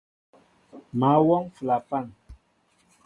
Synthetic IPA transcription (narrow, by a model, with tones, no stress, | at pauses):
ma˨˦wɔ˦ŋfla˨pa˦˨ŋ